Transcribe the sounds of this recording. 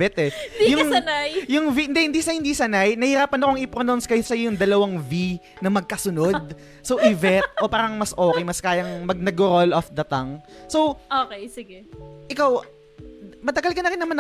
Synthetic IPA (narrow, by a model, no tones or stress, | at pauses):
ɛt̪ɛjʊŋnajjʊŋviʔɪnd̪ɛhɪnd̪isɐhɪnd̪isɐnajnɐhɪɾaːpɐnɐkoŋɪpɾonawnskɐjosɐjojʊŋd̪ɐlɐwaŋvi | nɐmɐɡ̚kɐsʊnod̪̚ | sowʔɪvɛt̪̚ʔo̞paːɾɐŋmɐsʔo̞ːkɛjmɐskaːjɐŋmɐɡ̚nɐɡʊɾolʔofd̪ɐt̪ɐŋso̞wʔoːkejsɪɡɛʔɪkaw | mɐt̪ɐɡɐlkɐnɐɾɪnɐmanɐ